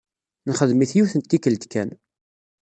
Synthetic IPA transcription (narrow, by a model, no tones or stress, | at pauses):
nχəðmiθjuθənt̪̚t̪ːikəld̪kæn